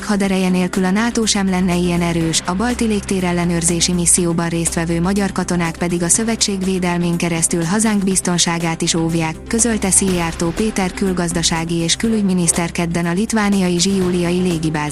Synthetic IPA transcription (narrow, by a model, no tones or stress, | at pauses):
khɒd̪ɛɾɛjɛneːlkylɒnaːt̪oːʃɛmlɛnːɛijɛnɛɾøːʃɒbɒlt̪ileːkt̪eːɾɛlːɛnøːrzeːʃimisːijoːbɒnreːst̪ʋɛvøːmɒɟɒrkɒt̪o̞naːkpɛd̪iɡɒsø̞vɛt͡ʃːeːɡveːd̪ɛlmeːŋkɛɾɛst̪ylɦɒzaːŋɡbist̪o̞nʃaːɡaːt̪iʃoːvjaːkːø̞zø̞lt̪ɛsijaːrt̪oːpeːt̪ɛrkylɡɒzd̪ɒʃaːɡieːʃkylyɟminist̪ɛrkɛd̪bɛnɒlit̪vaːnijɒjiʒijuːlijɒjileːɡibaːz